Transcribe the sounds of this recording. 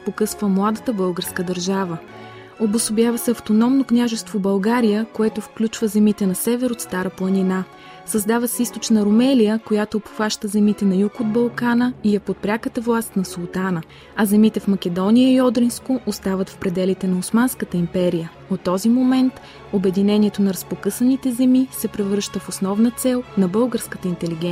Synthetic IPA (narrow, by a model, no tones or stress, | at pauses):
pokɤsvəmlˠad̪ət̪əbɤlˠɡəɾskəd̪əɾʒavə | obosʊbjavəsɛɐft̪onɔmnoknʲaʒɛst̪vobɐlˠɡaɾijəkoɛt̪ofklʲut͡ʃvəzɛmit̪ɛnɐsɛvɛɾot̪st̪aɾəplˠənina | sɐzd̪avəsist̪ot͡ʃnəɾomɛlijəkojat̪oːpxaʃt̪əzɛmit̪ɛnɐjukod̪̚bɐlˠkanəijɐpot̪̚pɾʲakət̪əvlˠast̪nɐsolˠt̪anə | ɐzɛmit̪ɛfmɐk̟ʲɛd̪ɔnijəiɔd̪ɾinskoʔost̪avət̪fpɾɛd̪ɛlit̪ɛnɐosmanskət̪əimpɛɾijə | ot̪ːɔzimomɛnt̪ | obɛd̪inɛniɛt̪onɐɾəspokɤsənit̪ɛzɛmisɛpɾɛvɾɤʃt̪əfosnɔvnət̪sɛlˠnɐbɤlˠɡəɾskət̪əint̪ɛliɡɛ